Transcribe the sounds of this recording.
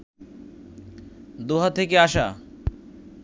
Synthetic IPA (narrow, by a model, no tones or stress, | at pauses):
d̪oɦat̪ʰekeaʃa